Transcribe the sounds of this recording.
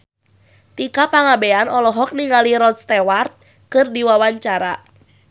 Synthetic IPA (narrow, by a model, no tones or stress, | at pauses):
t̪ikapaŋabɛanɔlɔɦɔk̚niŋaliɾɔt̪̚st̪ɛwart̪̚ | kɨrdiwawaɲt͡ʃaɾa